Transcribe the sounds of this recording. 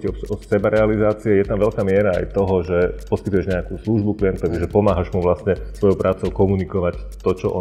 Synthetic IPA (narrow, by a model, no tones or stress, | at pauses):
ɔɔsɛbaɾʔɛalizaːt͡siɛjɛt̪amʋɛʎkaːmɪɛɾaa̰jt̪ɔɦɔʒɛpɔskit̪ujɛʒɲɛakuːsluːʒbukliɛnt̪ɔʋiʒɛpɔmaːɦaʒmuʋlasɲɛsʋɔjɔʊpɾʔaːt͡sɔʊkɔmunikɔʋact̪ɔt͡ʃɔ̰ʔɔ